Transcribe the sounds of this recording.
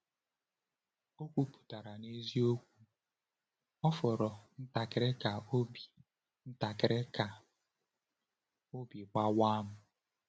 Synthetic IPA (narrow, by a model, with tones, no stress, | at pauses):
o˦kʷu˦pu̥˨ta˨ɾa˨ne˦zi˦o˦kʷu˦ | ɔ˦fɔ˨ɾɔ˨n̩˦ta˨kɪ˨ɾe˦ka˨o˦bi˨ | n̩˦ta˨kɪ˨ɾe˦ka˨ | o˦bi˨ɡ͡ba˦wa˦mʊ˦